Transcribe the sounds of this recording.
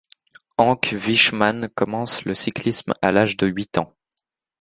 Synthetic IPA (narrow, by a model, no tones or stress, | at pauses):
ɑ̃kviʃmankɔmɑ̃sləsiklisma̰laʒd̪əɥit̪ɑ̃